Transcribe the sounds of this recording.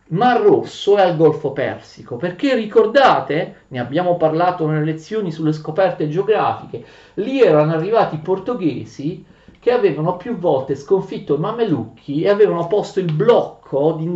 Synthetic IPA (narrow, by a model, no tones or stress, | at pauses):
marːosːoɛalɡɔlfopɛ̰rsikoperkerːikord̪aːt̪eneabːjaːmoparlaːt̪onelelet̪sːjoːnisulːeskopɛrt̪ed͡ʒeoɡɾa̰ːfike | liɛːɾanoarːivaːt̪iport̪oɡeːzi | k̟eaveːvanopjuvːɔlt̪eskoɱfit̪ːoimamelukʰːieaveːvanopost̪oilblɔkʰːod̪i